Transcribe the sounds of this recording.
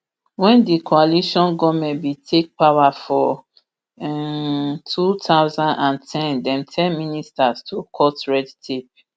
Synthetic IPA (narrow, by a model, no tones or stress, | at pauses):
wɛ̃ndikʰoaliʃɔ̃nɡɔmɛ̃ntbitʰek̚pawafɔ | tʰutʰawzãndãntʰɛ̃ndɛ̃mtʰɛ̃nministastʰokʰɔtɹɛdtʰep̚